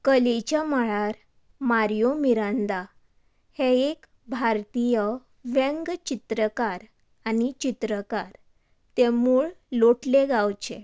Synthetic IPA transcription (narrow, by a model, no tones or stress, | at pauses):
kəlet͡ɕjamaɭaɾ | maɾjomiɾə̃nd̪a | heek | bʱaɾt̪ijə | ʋẽŋɡt͡ɕit̪ɾəkaɾ | anit͡ɕit̪ɾəkaɾ | t̪emuːɭloʈleɡawt͡ɕḛ